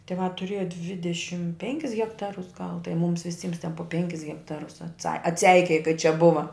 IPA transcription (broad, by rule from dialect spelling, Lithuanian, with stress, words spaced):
tʲɪˈʋɑː tʊˈrʲiɛjɛ ˈdʲʋʲɪdʲɛʃʲɪm ˈpʲɛŋʲkʲɪs ɣʲɛkˈtɑːrʊs ɡɐlˠ tɐɪ ˈmʊms ʋʲɪˈsʲiːms tʲɛn poː ˈpʲɛŋʲkʲɪs ɣʲɛkˈtɑːrʊs ɐtˈsɐ ɐtʲˈsʲɛɪkʲeːjɛ kɐɪ t͡ʃʲɛ ˈbʊʋɐ